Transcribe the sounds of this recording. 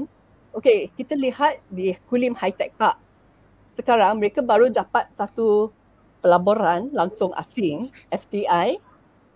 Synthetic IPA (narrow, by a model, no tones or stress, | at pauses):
okekit̪alihat̪̚dikulimhajt̪ɛk̚paʔ̚ | səkaɾaŋməɾekabaɾudapat̪̚sat̪u | pəlaboɾanlaŋsʊŋʔa̰siŋʔɛfd̪iaj